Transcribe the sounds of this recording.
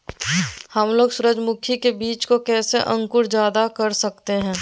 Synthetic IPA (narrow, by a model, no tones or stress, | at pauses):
hɐmloːɡsʊɾəd͡ʒmʊkʰikebiːt͡ʃkokɛːseʔə̃ŋkʊɾd͡ʒjaːd̪akɐɾsɐkt̪eɦɛ̃ː